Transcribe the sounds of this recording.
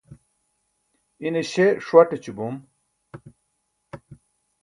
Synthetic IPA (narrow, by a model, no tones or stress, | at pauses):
ineɕeʂwaʈet͡ɕubum